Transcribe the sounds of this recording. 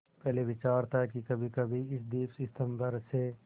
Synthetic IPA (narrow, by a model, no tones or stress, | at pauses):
pɛɦleʋɪt͡ʃaːɾt̪aɦkikɐbʱikɐbʱiɪsd̪iːpsɪst̪ʰəmbəɾse